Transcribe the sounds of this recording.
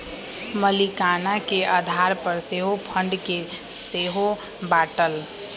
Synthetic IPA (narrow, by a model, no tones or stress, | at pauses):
məlikanakead̪ʱaɾpəɾseːɦopʰə̃ɳɖkeseːɦobaːʈəl